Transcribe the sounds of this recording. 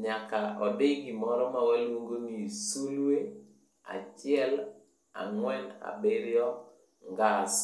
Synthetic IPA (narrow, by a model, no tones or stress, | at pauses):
ɲakaʔɔdeɡimɔɾɔmawalwoŋɡoŋisuluwe | a̰t͡ʃɪɛl | a̰ŋwɛna̰bɪɾjɔ | ŋɡas